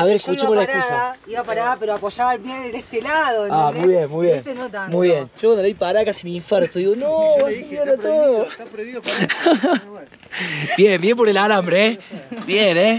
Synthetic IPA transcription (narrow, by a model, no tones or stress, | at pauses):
aβeɾeskut͡ʃemolaekusaiβapaɾaðapeɾoapoʃaβalbjenelest̪elaðoamujβjenmujβjenenomujβjenʒ̥okwand̪lajpaɾakasimiːɱfaɾt̪oðiɣonowoseɲoɾat̪oðo | bjembjempoɾelaɾambɾeebjene